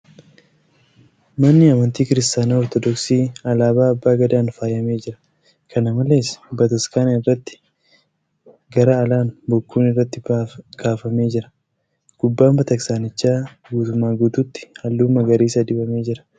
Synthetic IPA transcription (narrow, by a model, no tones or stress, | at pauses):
mɐnːɪɐmɐnt̪iːkɪɾɪst̪aːnaːɔɾt̪ɔd̪ɔksiːɐlaːbaːɐbːaːɡɐd̪aːnfaːjɐme̞ːd͡ʒɪɾɐ̥ | kɐnɐmɐle̞ːsbɐt̪ɐskaːnɐɪrːɐt̪ːɪ̥ | ɡɐɾɐːlaːnbɔkːuːnɪrːɐt̪ːɪɡ̥aːfɐme̞ːd͡ʒɪɾɐ̥ | ɡ̥ʊbːaːmbɐt̪ɐksaːnɪt͡ʃːaː | ɡuːt̪ʊmːaːɡuːt̪uːt̪ːɪ̥hɐlːuːmːɐɡɐɾiːsɐd̪ɪbɐme̞ːd͡ʒɪɾɐ̥